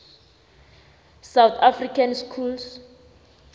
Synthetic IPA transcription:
sawt̪ʰafrikʰanskʰuls

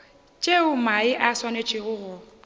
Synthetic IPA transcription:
t͡ʃʼeʊmaɪʔaswanet͡ʃʼɪɣʊɣʊ

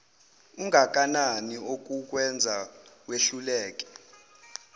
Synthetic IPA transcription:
uŋʱak̬ʼananiok̬ʼuk̬ʼwɛnd͡zʱaweɬulɛːk̬ʼɛ̥

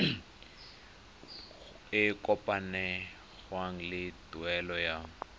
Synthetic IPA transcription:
ɪkʼɔpʼanɛ | ɣwaŋ̩lɪduɛlɔja

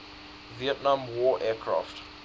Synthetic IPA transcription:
viɛtnãmwɔːʔɛːkʰɹa̰ːft

